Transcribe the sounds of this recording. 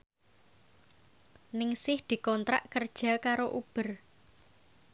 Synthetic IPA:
nɪŋsɪhd̪̥i̤kɔnt̪ɾaʔkərd̥ʒ̥a̤kaɾoʔub̥ə̤r

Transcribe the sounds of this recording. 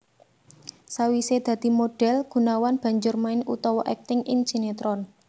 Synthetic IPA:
sawised̪̥ä̤d̪̥i̤moɖ̥ɛ̤lɡ̥ṳnawanb̥ä̤ɲd͡ʒʊrmaɪnṵt̪ɔwɔʔɛk̚t̪ɪŋʔind͡ʒ̥inet̪ɾɔn

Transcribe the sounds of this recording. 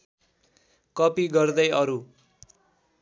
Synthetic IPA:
kʌpiɡʌrd̪ʌjʌɾu

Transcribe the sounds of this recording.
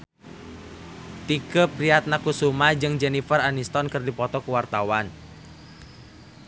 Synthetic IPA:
t̪ikəpɾiat̪̚nakusumad͡ʒɨŋd͡ʒɛnifəranist̪ɔnkərdipɔt̪ɔkuwart̪awan

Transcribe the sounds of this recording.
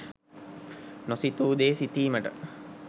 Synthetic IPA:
nosit̪uːd̪eːsit̪iːməʈə̰

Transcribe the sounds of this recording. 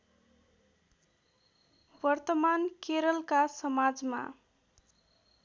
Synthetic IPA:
bʌrt̪ʌmankeɾʌlkasʌmad͡zma̰

